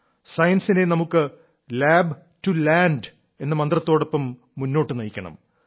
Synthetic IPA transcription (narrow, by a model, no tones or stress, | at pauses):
sɐjɐnsinenɐmukːɨ | laːb | tulaːɳɖ | e̞nːɐmɐnd̪rɐt̪ːo̞ːɽo̞pːɐmː | unːo̞ːʈːɨnɐjikʲːɐɳɐ̰m